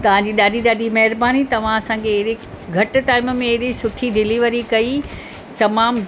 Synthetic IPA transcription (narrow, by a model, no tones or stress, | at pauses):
t̪ɐʋ̤ãɲd͡ʑiːɗaːɗiɗaːɗimɐɦɪɾbaːnit̪ɐʋ̤ãɐsãkʰeːɦɾi | ɡʱɐʈ̆ʈaːɪmmẽːɦɗisʊʈʰiɖɪliʋəɾikɐi | t̪ɐmaːm